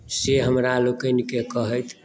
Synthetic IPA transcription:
seɦəmɾalokənkekəɦət̪ʰ

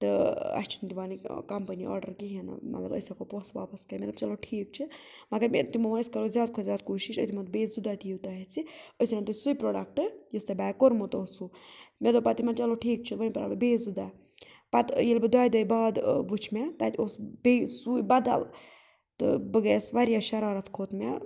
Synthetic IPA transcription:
t̪ɨɐ̰st͡ʃʰint̪iʋaːnikɐmpəniʔɔ̰ːɾɖɐɾkiɦinɨ̰mɐ̰t̪lɐ̰bə̰sakopõsʋaːpɐskɐmʲɐt̪lɐbt͡ʃɐloʈʰiːk̚t͡ʃʰi | mɐɡɐɾmḛt̪imomɐəskɐɾozʲjaːd̪̚kʰot̪zʲjaːd̪̚koːʃiʃə̰t̪imɐt̪̚beːszud̪at̪ijiwt̪aɦet͡sʰiəsinat̪usujpɾoːɖɐk̚ʈɨjist̪abaːjkoɾmot̪oːsumʲet̪opɐt̪imɐnt͡ʃɐloʈʰiːk̚t͡ʃʰiʋənpɐɾa̰bɨbeːzud̪a | pɐt̪jilbɨd̪aːjd̪ɐjbaːd̪ʋut͡ʃʰmɛt̪at̪ʲosbesujbɐd̪ɐ̰l | t̪ɨ̰bɨɡeːsʋaɾjaʃɐɾaːɾɐt̪ʰkʰoːt̪mḛ

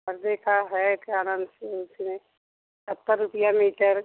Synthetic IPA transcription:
məɾd̪ekaɦɛkaːnə̃nd̪seʊsine | sət̪ːəɾːʊpijamiːʈəɾ

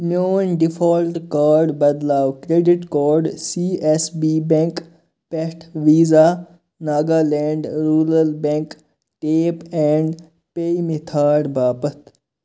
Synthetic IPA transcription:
mjoːnɖifʰoːlʈkaːɾɖbɐd̪laːwkɾeːɖɪʈkoːɾɖsiːesbiːbẽŋk | peʈʰʋiːzaː | naːɡaːlẽːɳɖɾuːɾəlbẽŋk | ʈeːpẽːɳɖ | peimit̪ʰaːɾbaːpət̪ʰ

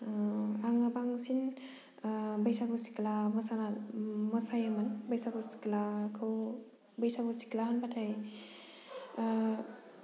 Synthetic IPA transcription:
aŋabaŋsin | bajsakʰusi̥klamɔsanamɔsajamanbajsakʰusi̥klakʰɯw | bajsakʰowsi̥klaɦanbatʰaj

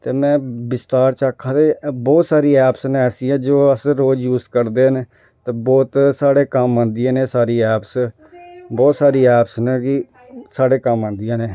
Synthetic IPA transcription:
t̪eːmɛ̃ːbɪst̪aːɾt͡ʃaːkʰːaːt̪eːbɔːt̪saːɾiːɛːpsnːɛːsĩːɛ̃ːd͡ʒoːəsɾoːd͡ʒjuːzkəɾd̪eːnː | t̪eːbɔːt̪saːɽeːkəmãːnd̪ɪjãːneːsaːɾiːɛːps | bɔːt̪saːɾiːɛːpsnẽːkɪ | saːɽeːkəmãːnd̪ijãːneː

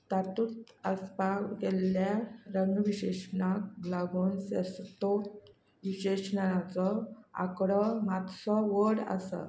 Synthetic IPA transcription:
t̪at̪uːt̪ | əspaɡɛljaɾəŋɡʋiɕeɕnakɡlaɡuːnsest̪ot̪ | ʋiɕeɕnanat͡sɔa̰kɽəmat̪sɔʋəɽa̰sə̰

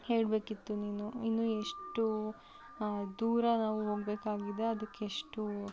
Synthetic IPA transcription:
he̞ːɽbe̞ːkit̪ːuniːnuinːueʂʈu | d̪uːɾɐnaːʋuɦo̞ːɡbe̞ːkaːɡid̪e̞ɐd̪ɐkːeeʂʈu

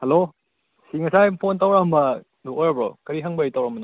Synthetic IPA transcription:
helo | siŋɐsajpʰontawɾambɐ | nokojɾɐbɾo̰kɐɾiɦɐŋbɐjtawɾambɐnɐ

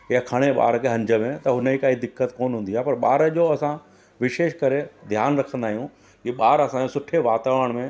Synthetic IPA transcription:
jakʰɐɽ̃eɓa̰ːɾkʰeɦɐ̃ɲd͡ʑəmẽt̪ɐɦʊnəikaːɦid̪ɪkːət̪koːnɦũːnd̪iaːepɐɾɓaːɾəʄoɐsã | ʋɪʃeːʃkɐɾed̪ʱjaːnɾɐkʰə̃nd̪aːɦijũ | kiɓaːɾɐsãɲosʊʈʰeʋaːt̪aːʋəɽ̃mẽ

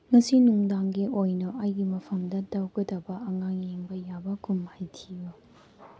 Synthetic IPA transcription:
ŋɐsinuŋdaŋɡiʔojnɐʔajɡimɐpʰɐmdɐdɐwɡɐdɐbɐɐŋaŋjeŋbɐjabɐkumhajtʰiju

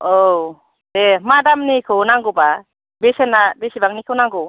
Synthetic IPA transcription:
ow | d̥emadamnikʰɯwnaŋɡɯba | besenːabesibaŋnikʰɯwnaŋɡɯ

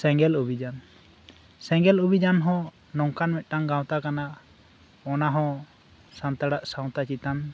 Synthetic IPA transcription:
sɛŋɡɛlubʱid͡ʒan | sɛ̃ŋɡɛlubid͡ʒanɦɔ̃ | nɔŋkanmɛt̪̚ʈaŋɡaw̃t̪akana | ɔnaɦɔ̃ | sant̪aɽaʔsaw̃t̪at͡ʃit̪am

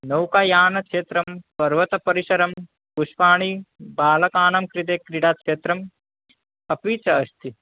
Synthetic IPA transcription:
nɐwkaːjaːnɐkʃeːt̪ɾɐmpɐɾʋɐt̪ɐpɐɾiʃɐɾɐm | puʃpaːɳ̃ibaːlɐkaːnɐmkɾit̪eːkɾiɽaːkʃeːt̪ɾɐm | ɐpiːt͡ʃɐːst̪i

